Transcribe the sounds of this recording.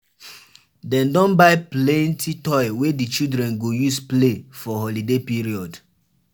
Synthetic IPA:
dɛ̃ndɔ̃nbaɪplɛ̃ntʰitɔɪwedit͡ʃidɹɛ̃nɡojusplefɔɦɔlidepiɹiɔd

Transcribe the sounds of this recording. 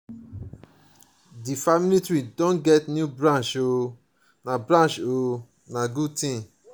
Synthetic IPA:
difamilitɹidõnɡɛtnjubɾãnʃo | nabɾãnʃo | naɡutĩ

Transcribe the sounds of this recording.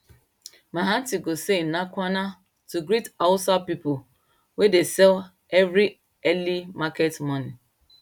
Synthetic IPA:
maɦãn̩tiɡosenakʷana | tuɡɾitawʊsapipo | wedesɛl | ɛvɾi | ɛlimaketmɔni

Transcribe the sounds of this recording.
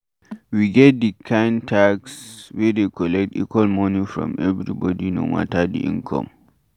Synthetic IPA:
wiɡɛt̚dikʰãɪ̃ntʰaɡswɛdekʰɔlɛk̚tḭkwalmɔnifɹɔ̰̃mɛvɹibɔdino̰ma̰tadḭʔĩnkʰɔ̰̃m

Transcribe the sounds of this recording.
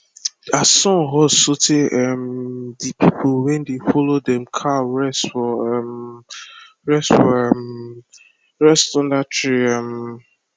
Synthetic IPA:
asɔ̃ɦɔsoteʔɛmdipʰipʰʊlwɛ̃ndefɔlodɛ̃mkʰaɹɛstfɔɛm | ɹɛstfɔɛm | ɹɛstɔ̃ndatɹiam

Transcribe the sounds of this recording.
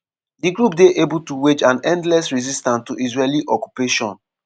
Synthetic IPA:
diɡɹupdeʔebutuwed͡ʒãnɛ̃ndlɛsɹizistãntuʔizɹeliʔɔku̥peʃɔ̃n

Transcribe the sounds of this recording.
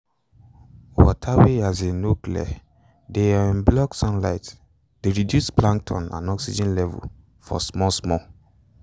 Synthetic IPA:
wɔ̰tʰaweazenoklɛ̰ | deaĩnblɔksɔ̃nlaɪt | d̥eɹidjuspʰlãŋtʰɔ̰̃nã̰nɔksid͡ʒɛ̃nlɛvṵl | fɔ̰smɔsmɔ

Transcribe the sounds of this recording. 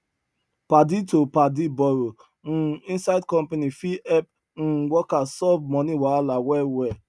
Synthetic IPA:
paditopadibɔɾo | n̩ĩnsaɪdkɔ̃mpanifiɛp̚ | n̩wɔkasɔvmɔ̃niwaalawɛwɛ

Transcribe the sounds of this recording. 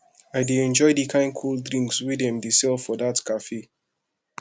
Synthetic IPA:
aɪdeɛ̃nd͡ʒɔɪdikʰãɪ̃nkʰolˠdɹĩŋkswidɛ̃mdesɛlˠfɔdatkʰafe

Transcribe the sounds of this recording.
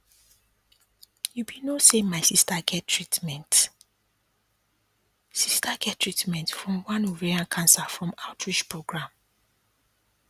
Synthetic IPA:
jubinosẽmmːaɪsistaɡɛtʰɹitmɛ̃nt | sistʰaɡɛttːɹitmɛ̃ntfɹɔ̃mwãnuɹiãnkʰãnsafɹɔ̃maʊtʰɹit͡ʃpɹoɡɹãm

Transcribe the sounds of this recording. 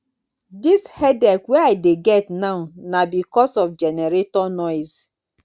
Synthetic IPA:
dishɛdɛkwɛaɪdeɡɛtnaʊnabikɔsɔfd͡ʒɛnɛɾetɔnɔɪs

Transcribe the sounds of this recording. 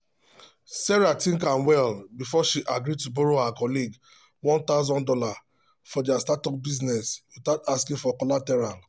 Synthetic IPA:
sɛɹatĩŋkãnwɛlbifɔʃiʔaɡɾituboɾohakɔliɡ | wɔ̃nt̪aʊzɔ̃ndɔla | fɔdiastatɔk̚biznɛsjustataskĩfɔkɔlatɛɹal

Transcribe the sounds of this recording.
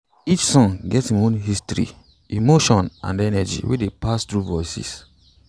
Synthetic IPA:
it͡ʃsɔ̃nɡɛthĩmõnɦistɹḭ | imoʃɔ̃nã̰ndɛnɛd͡ʒḭwḭdepastɹuvɔɪsḭs

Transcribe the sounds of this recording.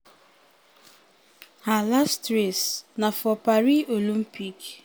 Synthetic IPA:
halastɾesnafɔpaɾiolĩm̩pik

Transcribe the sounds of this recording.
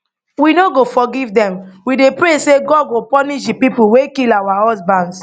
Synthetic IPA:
winoɡofɔɡivdɛ̃mwidepɾeseɡɔd̚ɡopɔniʃ̬dipipuwekilawahɔsbãnd

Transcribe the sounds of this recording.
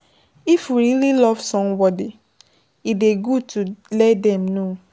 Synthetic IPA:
ifwiɹililɔv̥sɔ̃mbɔdi | ideɡutulɛtdɛ̃mno

